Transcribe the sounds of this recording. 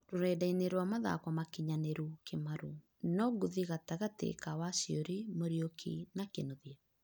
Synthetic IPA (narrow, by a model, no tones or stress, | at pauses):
ɾoɾɛdaineɾwamaða̰kwamakiɲaneɾukʰemaɾu | nɔɡuðiɣataɣatḛkawasioɾimoɾjokʰḭnakenoðja